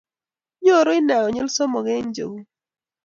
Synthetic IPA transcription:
ɲo˦˨ɾo˦ɪ˦na˨ɡɔ˨ɲʊ˦lsɔ˦mɔ˨ɣɛ˦ɲd͡ʒo̰˨wu˦

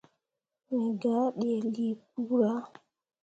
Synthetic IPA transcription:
mi˨ɡa˨˦ɗe˨li˦p̚u˦ɾa˦

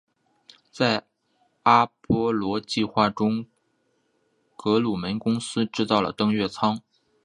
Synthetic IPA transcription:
t͡sa˥˩ɪ | a˥pwɔ˧˥lwɔ˧˥t͡ɕi˥˧xwa˥˩ʈ͡ʂʊ˥ŋ | kɤ˧˥lu˨˩mə˧˥nkʊ˥ŋsɹ̩˥ʈ͡ʂɻ̩˥˧t̪ɑ˥˩ʊlə̰˩t̪ɤ˥ŋɥɛ˥˩t͡sʰɑ˥ŋ

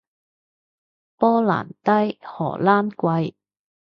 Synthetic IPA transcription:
pɔː˥la̰ː˨˩nt̪ɐ˥jhɔ̰ː˨˩laː˥mkʷɐ˧j

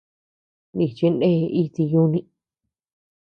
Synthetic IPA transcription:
ni˧˨t͡ʃi˧ndẽ˦˧i˦t̪i˧jũ˦nĩ˧

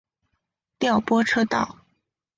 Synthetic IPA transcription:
t̪jɑ˥˩ʊpwɔ˥ʈ͡ʂʰɤ˥t̪ɑ˥˩ʊ

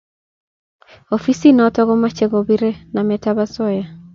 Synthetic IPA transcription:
ofi˦si˦n˨ɔ˦tɔɣɔ˦ma˦t͡ʃɛɡɔbi˦ɾe˦namɛtaβa˦sɔ˦ja˨

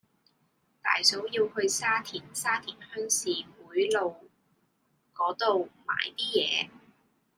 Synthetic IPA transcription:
t̪a̰ː˨jso˨˥wjiː˧whɵ˧ɥsaː˥t̪ʰiː˨˩nsaː˥t̪ʰiː˨˩nhœ˥ŋsiː˨kuː˨˥jlo˨w | kɔː˨˥t̪o˨wma̰ː˨˩jt̪iː˥jɛː˨˧

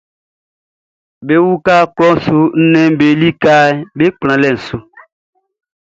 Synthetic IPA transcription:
be˦wu˦ka˦klɔ˦su˨n̩˦nɛ˦m˦be˨li˦ka˦ɛ˦be˦k͡plã˨lɛ˨n̩˨su˨

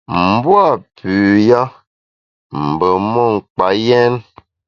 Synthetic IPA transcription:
m̩˨˦bwa˦˨pʉː˨ja˦ | m̩˨bə˨mɔ˦˨ŋ̩˨k͡pa˨jɛ˦n

